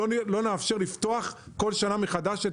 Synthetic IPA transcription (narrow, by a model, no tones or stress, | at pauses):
lo̞neafʃe̞ʁlift̪o̞aχko̞lʃanameχad̪aʃe